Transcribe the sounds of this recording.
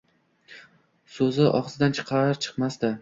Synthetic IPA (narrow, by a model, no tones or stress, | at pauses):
sɵzɪʔɒ̰χsɪd̪ant͡ʃʰɨ̥qʰɑɾt͡ʃʰɨ̥qmast̪ɪ